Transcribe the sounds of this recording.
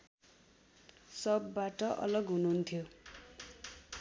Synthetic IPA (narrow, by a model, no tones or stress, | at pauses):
sʌbːaʈʌʔʌ̰lʌɡɦununt̪ʰjo